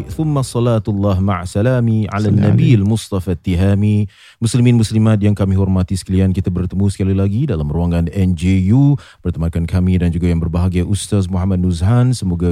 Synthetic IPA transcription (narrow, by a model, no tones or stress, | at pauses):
θʊmːasˤɑlat̪alːaɦma̰ʕasalamia̰lanːabialmʊst̪ɑfat̪ːiɦami | musliminmuslimat̪̚jaŋkamiɦɔrmat̪isə̥kaliankit̪abərt̪əmusə̥kalilaɡidalamruaŋanɛnd͡ʒeju | bərt̪əmakankamidand͡ʒuɡajaŋbərbaɦaɡajʔust̪as̬muɦamad̪̚nuzɦansəmoɡa